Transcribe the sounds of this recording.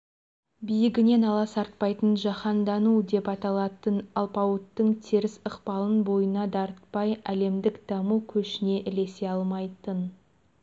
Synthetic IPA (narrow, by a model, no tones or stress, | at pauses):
bijɪɡʲɪne̞nɑlˠɑsɑɾt̪̚pɑjt̪ənʒɑχɑnd̪ɑnud̪e̞pɑt̪ɑlˠɑt̪ənɑlˠpɑwət̪ːəɴt̪ʰe̞ɾɪsəqpɑlˠənbo̞jənɑd̪ɑɾət̪̚pɑjæle̞md̪ɪkd̪̥ɑmukʲʰɵʃɪne̞ʔɪle̞se̞ɑlˠmɑjt̪ən